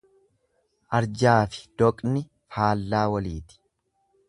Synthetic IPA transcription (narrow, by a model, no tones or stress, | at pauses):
ʔɐɾd͡ʒaːfɪ̥d̪̥ɔkʼnɪ | faːlːaːwɐliːt̪ɪ̥